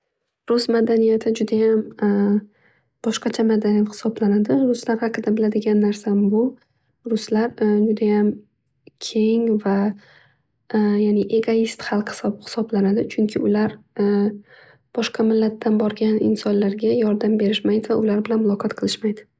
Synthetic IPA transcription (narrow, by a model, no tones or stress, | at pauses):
ɾʊsmad̪anijat̪ʰɪd͡ʒʊd̪ajam | b̥ɒʃqɑt͡ʃʰamad̪anijat̪hɪ̥sɒblanad̪ɪɾʊslaɾhɑqɨd̪abɪlad̪ɪɡʲanːaɾsabʊ | ɾʊslaɾd͡ʒʊd̪ajam | kʲʰe̞ŋva | janɪʔe̞ɡoist̪χɑlˠqhɪ̥sɒbhɪ̥sɒblanad̪ɪt͡ʃʰʊŋkʲʰɪʊlaɾ | b̥ɒʃqʰɑmɪlːat̪ʰːanbɒɾɡʲanɪ̰nsɒnlaɾɡʲajɒɾd̪ambe̞ɾɪʃmajd̪ɪvaʊlaɾbɪlanmʊlˠɒqʰɑt̪qʰɨlˠɪʃmajd̪ɪ